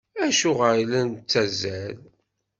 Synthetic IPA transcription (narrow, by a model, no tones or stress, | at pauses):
æʃʊʁəɾlænt͡sːæzæl